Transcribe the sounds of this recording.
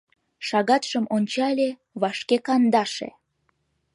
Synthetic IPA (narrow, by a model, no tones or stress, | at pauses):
ʃɑɣɑt̪ʃəmonʲt͡ɕɑlʲe | βɑʃkekɑnd̪ɑʃḛ